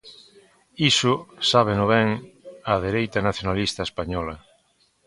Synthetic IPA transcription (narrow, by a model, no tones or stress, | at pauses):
isʊsaβ̞enoβɛŋaðeɾejt̪anaθjonalist̪aespaɲɔlɐ